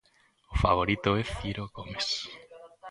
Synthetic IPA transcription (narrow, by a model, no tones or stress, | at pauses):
ofa̰β̞oɾit̪oɛθiɾoɣomes